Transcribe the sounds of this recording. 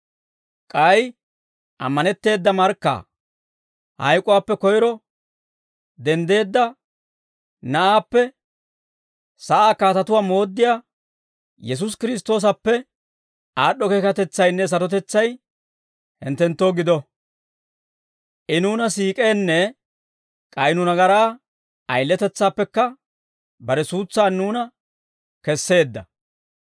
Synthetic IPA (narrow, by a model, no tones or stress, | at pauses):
kʼɐj | ʔɐ̰mːɐnɛt̪ːe̞ːd̪ːɐmɐɾkːa̰ | hɐ̰jkʼːʊwaːpːɛkɔjɾɔ | d̪ɛnd̪e̞ːd̪ːɐ | nɐʔaːpːɛ | sɐʔaːkaːt̪ɐt̪ʊwaːmo̞ːd̪ːɪjaː | jɛs̬ʊs̬kɪɾɪs̬t̪o̞ːs̬ɐpːɛ | ʔaːɗːɔkeːkɐt̪ɛt͡sːɐjnːɛs̬ɐɾɔt̪̬ɛt͡sːɐj | hɪnt̪ːɛnt̪ːo̞ːɡɪd̪ɔ | ʔɪnuːnɐsiːkʼe̞ːnːɛ | kʼɐjnʊnɐɡɐɾaː | ʔɐjlːɛt̪ɛt͡sːaːpːɛkːɐ | bɐɾɛsuːt͡sːaːnːuːnɐ | kɛsːe̞ːd̪ːɐ